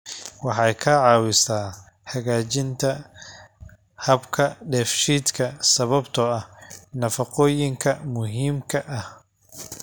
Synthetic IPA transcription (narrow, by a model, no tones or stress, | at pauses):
wɑħɑjkʰɐʕɑːwɪsaː | ħɐɣaːt͡ʃɪnt̪ʰɐ | hɐbkʰɐɖɛːfʃiːd̪kʰɐsɐβɐbt̪ʰɔɐhnɐfɐqɔːjɪŋkʰɐmʊɦiːmkʰɐʔɐh